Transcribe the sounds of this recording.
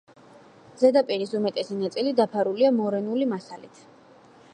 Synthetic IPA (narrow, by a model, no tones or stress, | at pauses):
zɛd̪apʼiɾisumɛt̪ʼɛsinat̪sʼilid̪apʰaɾuliamɔɾɛnulimasalḭt̪ʰ